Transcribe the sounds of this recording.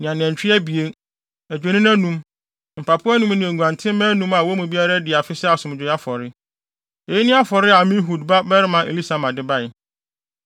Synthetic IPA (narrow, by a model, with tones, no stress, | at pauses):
nɪ̃˨ã˨nɪ̃˨ɛ̃˨ɲ˨t͡ɕᶣɪ˦ɛ˦bi˨e˦ | æ˨d͡ʑᶣe˨nĩ˦n˦ã˦nũ˨m | m̩˨pʰa˨pʰʊ˦a˦nũ˦m˦nɪ̃˨ɛ̃˨ɡʷã˨ntʰɪ̃˦mɛ̃˦nũ˦ma˨wɔ˦mũ˨bi˦a˦ɾa˦dɪ˨a˨fɪ˦sɛ˦a˨sʊ̃˨m˨d͡ʑᶣʊ˨˦a˦fɔ˨ɾɪ˦ | e˨ji˦nɪ̃˦a˦fɔ˨ɾɪ˦a˨mĩ˦ɦu˨dba˦bɛ˦ɾɪ˦mã˨ʔḛ˨li˦sa˨mã˨dɪ˦ba˦˨ɪ˨